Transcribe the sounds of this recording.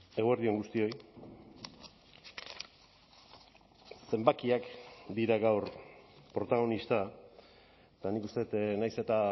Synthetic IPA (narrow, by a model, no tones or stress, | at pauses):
e̞ɣoeɾðie̞ŋɡust̪io̞j | se̞mbakiakd̪iɾaɣawɾpɾo̞t̪aɣ̞o̞nist̪a | t̪anikust̪e̞t̪najse̞t̪a